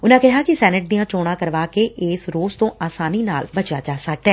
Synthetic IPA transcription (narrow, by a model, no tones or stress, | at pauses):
ʊnãkɛɦakisɛːnɪʈ̚d̪ijãt͡ʃoːɽ̃ãkəɾʋaːkeʔɪːsɾoːzt̪õʔaːsaːnina̰ːlbɐt͡ʃad͡ʒaːsɐk̚d̪aɛː